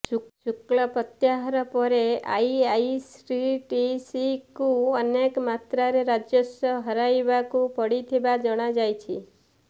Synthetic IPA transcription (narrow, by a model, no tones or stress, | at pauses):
ut͡ʃuklɔpɔt̪jaɦɔɾɔpɔɾea̰jajsɾiʈisikuɔnekmat̪ɾaɾeɾad͡ʒjɔsɔɦɔɾajbakupɔɽit̪ʰibad͡ʒɔɽ̃ad͡ʒajt͡ʃʰi